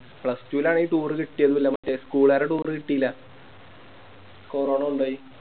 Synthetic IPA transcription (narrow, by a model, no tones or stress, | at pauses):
pɭɐstuilaːɳiːiʈuːrɨkiʈːijɐðɨʋilːɐmɐtːeskuːɭaːɾeʈuːrɨkiʈːijilːɐ | koːroːɳɐuɳɖoːji